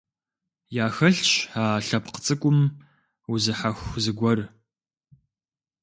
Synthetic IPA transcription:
jaːxɐɬt͡ʃaːɬɐpqə̥t͡sʼɨkʷʼʊm | uzɨħaxʷzɨɡʷɔr

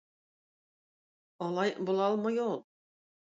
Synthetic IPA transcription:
ɒlˠɑjbulˠɑlˠmɤjolˠ

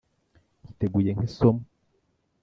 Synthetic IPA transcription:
kiteɡujeŋhisom

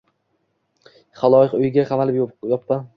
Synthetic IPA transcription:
χalˠɒjɪqʊjɪɡʲaqʰamalɪpjjɒpːa

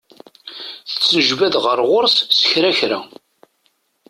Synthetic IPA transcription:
θə̥t͡sːənəʒvæðʁəɾˤʁʊɾssə̥çɾæçɾæ̰

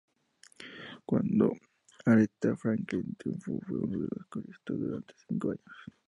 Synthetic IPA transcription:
kwand̪o̰ | aɾet̪afɾaŋklint̪umfufeoneleskoɾist̪od̪uɾant̪e̥siŋkoaɲos

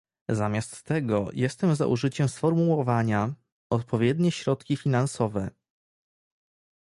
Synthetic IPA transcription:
zamʲjast̪ːɛɡɔjʔɛst̪ɛmza̰ʔṵʐɘt͡ɕɛmsfɔɾmuwɔvaɲa | ɔt̪pʰɔvʲjɛd̪ɲɛɕɾɔt̪kʲifʲinansɔvɛ

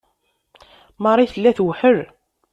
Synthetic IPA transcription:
mɑɾˤiθəlːæθwħəɾ

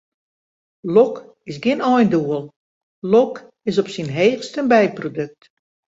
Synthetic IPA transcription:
lɔk | ɪsɡɪnɔjnduəlˠ | lɔk | ɪsɔpsinɦeːxstənbɛjprodøk̚t

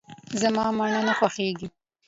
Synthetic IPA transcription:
zamɑmaɳanaxwaxeɡi

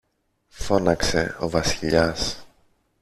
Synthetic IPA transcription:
fo̞nɐkse̞o̞̰vɐsiʎɐs

